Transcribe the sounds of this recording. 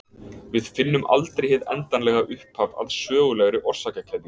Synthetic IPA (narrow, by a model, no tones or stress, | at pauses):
vɪðfɪnːʏmʔa̰lt̪ɾejhɪðɛ̰nt̪anlɛɣaʔʏhphava̰ðsœːɣʏlɛɣɾɪʔɔr̥sacacʰɛðjʏ